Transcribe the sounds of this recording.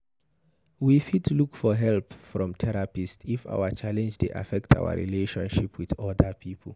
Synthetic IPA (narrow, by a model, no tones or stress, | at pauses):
wifitlukfɔɦɛlpfɹɔ̃mtʰɛɹapistifa̰wat͡ʃalɛ̃nd͡ʒdeʔa̰fɛk̚tʰa̰ʊa̰ɹḭleʃɔ̃nʃipʰwiðɔdapʰiːpʰəl